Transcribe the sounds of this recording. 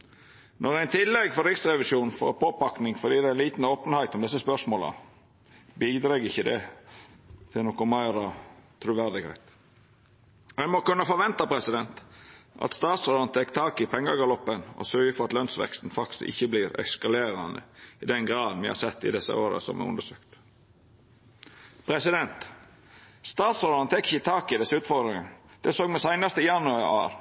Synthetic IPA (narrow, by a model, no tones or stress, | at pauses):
nɔɾæɪnt̪ʰɪlːɛɡfɔɾɪksɾɛʋɪʃjuːnfɔ̰ɾpʰoːpɑknɪŋfɔd̪iːd̪ææliːt̪n̩oːpənhæɪt̪ɔmd̪ɛsːəspœʂmoːlə̰ | biːd̪ɾɑːɡɪçːəd̪ɛ | t̪ʰɪlnɔkɔmæɪɾɑt̪ʰɾʉːʋæɾd̪ɪɡhɛ̰ɪt̪ | hæɪmɔkʉnːəfɔɾʋɛnt̪ɑpʰɾɛsɪd̪ɛnt̪ʔɑ̰t̪st̪ɑːt̪sɾʊlɑnt̪ʰɛkːt̪ʰɑːkɪpʰɛŋːəɡɑlɔpːənɔ̰sœɾɡəfɔɾɑt̪lœnsʋɛ̰kst̪n̩fɑksɪ̰çːəbliːɾɛ̰kskɑleːɾɑnd̪ə̰ɪd̪ɛnɡɾɑːd̪nʋɪhɑ̰sɛt̪ːɪ̰d̪ɛsə̰oːɾə̰sɔ̰mʔɛ̰ʊ̰nd̪əʂøːkt̪ | pʰɾɛsɪd̪ɛnt̪ | st̪ɑːt̪sɔɑnt̪ʰɛkːɪ̥çət̪ʰɑːkɪd̪ɛsːəʉːt̪fɔɾd̪ɾɪŋənd̪̥ɛsoːɡmɛsæɪnɑst̪əɪjɑnʉɑɑ̰ːɾ